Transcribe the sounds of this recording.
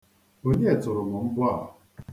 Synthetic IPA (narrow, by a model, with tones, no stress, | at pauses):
o˨ɲe˦e˨tʊ˨ɾʊ˨mʊ˨m̩˦bʊ˦a˦˨ʊ̰˨